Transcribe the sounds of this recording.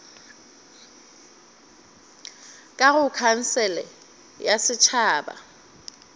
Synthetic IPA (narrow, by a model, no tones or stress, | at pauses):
kʼaɣʊkʰan̩sɛlɛ̰ | jasɪt͡ʃʰaːba̰